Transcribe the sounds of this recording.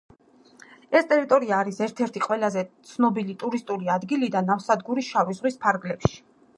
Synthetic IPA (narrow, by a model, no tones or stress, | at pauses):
ɛst̪ʼɛɾit̪ʼɔɾiaːɾisɛɾt̪ʰɛɾt̪ʰiqʼwɛlazɛt̪sʰnɔbilit̪ʼuɾist̪ʼuliad̪ɡilid̪anafsad̪ɡuɾisʃavizʁwispʰaɾɡlɛpʃi̥